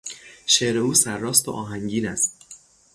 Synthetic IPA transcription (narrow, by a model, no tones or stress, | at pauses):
ʃeːʔɾe̞uːsæɾːɒːst̪o̰ʔɒːɦæŋɟiːnæst̪